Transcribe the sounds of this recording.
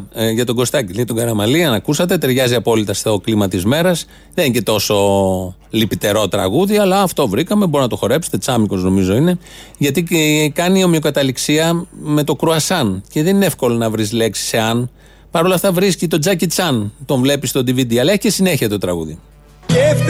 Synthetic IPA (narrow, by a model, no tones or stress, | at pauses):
ʝɐt̪oɡo̞st̪ɐciʝɐt̪oɡɐɾɐmɐliɐnɐkusɐt̪̬e̞t̪e̞ɾʝɐziɐpo̞lit̪ɐst̪o̞klimɐt̪izme̞ɾɐs | ðenicet̪o̞so̞ | lipit̪e̞ɾo̞t̪ɾɐ̰ɣuðiɐlɐːft̪o̞vɾikɐmebo̞ɾinɐt̪o̞xo̞ɾe̞pset̪e̞t͡sɐmiko̞zno̞mizo̞ine̞ | ʝɐt̪ikɐnio̞miokɐt̪ɐliksiɐme̞t̪o̞kɾuɐsɐnce̞ðenineefko̞lo̞nɐvɾisle̞ksi̥se̞ɐn | pɐɾo̞lɐft̪ɐvɾiscit̪o̞d͡zɐcit͡sɐnt̪o̞ɱvle̞pist̪o̞d̪ivid̪iɐlɐeçicesine̞çiɐt̪o̞t̪ɾɐɣṵðḭ